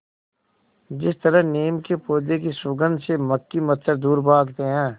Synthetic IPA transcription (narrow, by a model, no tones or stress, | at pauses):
d͡ʒɪst̪əɾəɦneːmkepoːd̪ekisʊɡə̃nd̪seməkːimət̪səɾd̪uːɾbaːɡt̪eɦɛ̃ː